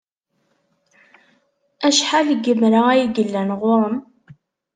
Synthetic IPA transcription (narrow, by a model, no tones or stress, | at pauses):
æʃħalɡəmɾaæjiɡəlːænʁoɾˤəm